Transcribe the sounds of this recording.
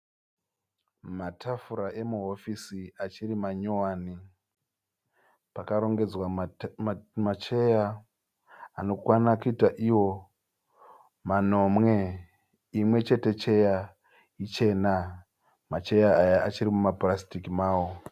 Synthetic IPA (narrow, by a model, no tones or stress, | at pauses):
matʰafuɾaʔe̞muɦo̞fisiat͡ʃirimaɲowaːni | pakaɾo̞ŋɡe̞d͡zwa | mat͡ʃe̞ja | ano̞kwanakuitaʔiwo̞ | mano̞mwe̞ | imwe̞t͡ʃe̞te̞t͡ʃe̞ja | it͡ʃe̞na | mat͡ʃe̞jaːjaat͡ʃiɾimumabrastikimaːwo̞